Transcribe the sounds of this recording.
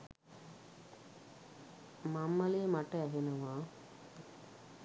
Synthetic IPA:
mamːəlejmaʈəæɦenəʋaː

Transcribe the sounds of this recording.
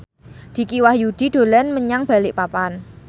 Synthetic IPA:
d̪̥i̤kiwahjud̪̥i̤ɖ̪̥o̤lɛnməɲaŋb̥a̤lɪʔpapan

